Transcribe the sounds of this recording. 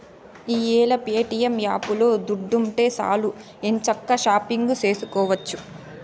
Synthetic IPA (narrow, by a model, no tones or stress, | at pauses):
iːeːlɐpeːʈijɐmjaːpulo̞ːd̪uɖːuɳʈe̞ːsa̰ːlu | ent͡ʃɐkːɐʃaːpiŋɡut͡ʃe̞ːsukɔːʋɐt͡ʃːu